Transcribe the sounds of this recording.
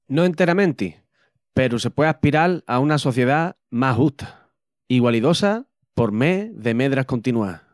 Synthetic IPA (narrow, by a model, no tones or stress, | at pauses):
no̞e̞nt̪e̞ɾamẽnt̪i | pe̞ɾuse̞pweahpiɾalaunaso̞θje̞ða | maɦuht̪ʰḁ | iɣwaliðo̞sa | po̞ɾmeðe̞me̞ðɾako̞nt̪inua̰